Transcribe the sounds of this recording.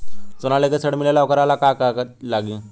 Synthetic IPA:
t͡sonalekəsəɽmilalaʋkəɾalakakaklaɡĩː

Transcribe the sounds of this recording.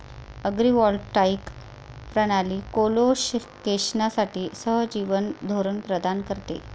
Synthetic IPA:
əɡɾiʋɔɾʈaik | pɾəɽ̃aliːkoloɕ | keɕnasaʈiːsəɦd͡ʑiʋənd̪ʱoɾənpɾəd̪ʱankəɾt̪ḛ

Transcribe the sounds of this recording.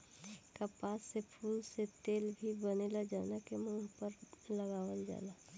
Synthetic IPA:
kəpaːsepʰuːlset̪eːlbʱibənelad͡ʒaːnakemũːɦpəɾləɡaːwəld͡ʒa̰ːla

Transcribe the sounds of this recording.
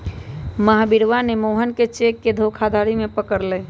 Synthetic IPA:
məɦbiɾʋanemoɦənket͡ʃekːed̪ʱokʰad̪ʱaɾimepəkəɾlɛː

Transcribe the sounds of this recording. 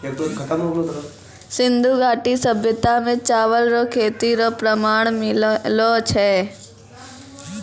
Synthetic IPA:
eːk̚t̪okʰɐt̪əmoɡlotɐɾo | sɪ̃nd̪ʱuɡʱaːʈisəbʱjət̪amẽt͡ʃaːʋəlɾokʰeːt̪iɾopɾəmaːɳ̃mɪlot͡ʃʰɛː

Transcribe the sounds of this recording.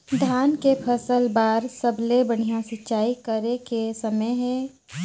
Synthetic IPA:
d̪ʱaːnkepʰɐsəlbaːɾsɐblebɐɽ̤̃ijãsɪtːʃaːikəɾekesɐməjɦɛ̃ː

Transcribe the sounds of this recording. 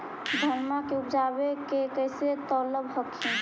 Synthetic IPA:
d̪ʱəɾmakeupd͡ʒabekekəjset̪ɔləbɦɔkʰin

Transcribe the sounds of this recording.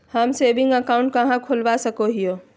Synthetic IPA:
həmseːbɪ̃ŋɡəkaːʊ̃ɳʈ̚kɐɦãkʰolʋasəkoɦijo

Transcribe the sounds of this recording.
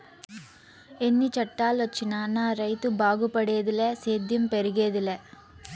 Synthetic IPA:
ɛnːit͡ʃɐʈːaːlʋɐt͡ʃːinaːnaːɾɐɪt̪ɯbaːɣɯpːɐɽejɐðɪlɛseːd̪jɯmpɛɾɯɣeːðɪlɛ

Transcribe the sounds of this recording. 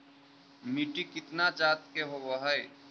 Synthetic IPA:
miʈikɪt̪nat͡ʃat̪̚keɦoboɦəj

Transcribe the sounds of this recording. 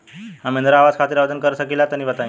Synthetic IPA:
hãmeənd̪ɾaaʋad͡zkʰat̪iːɾaʋd̪ʱənkəɾəsəkilat̪əñiʋət̪aj̃

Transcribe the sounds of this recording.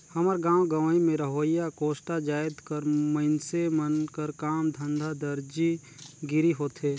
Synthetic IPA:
hɐməɾɡãːwɡəʋimẽɾəɦoːjakoːsʈad͡ʒaːɪd̪kəɾməɪnsemənkəɾkaːmd̪ʱə̃nd̪ʱad̪əɾd͡ʒi | ɡɪɾiɦoːt̪ɦeː

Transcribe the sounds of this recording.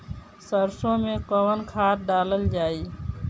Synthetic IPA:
səɾsõːmẽːkəʋənkʰaːʈ̚ɖaːləld͡ʒaːiː

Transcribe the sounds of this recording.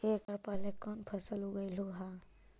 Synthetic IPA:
ekəɾpalekɔnpʰɐsəluɡəjluɦa

